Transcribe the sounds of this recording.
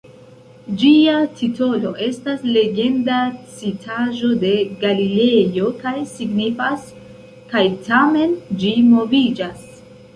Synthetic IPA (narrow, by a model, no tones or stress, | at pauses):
d͡ʒiatʰito̞lo̞ʔe̞stasle̞ɡe̞ndat͡sitʰaʒo̞de̞ɡalile̞jo̞kajsiɡnifas | kajtame̞nd͡ʒimo̞vid͡ʒas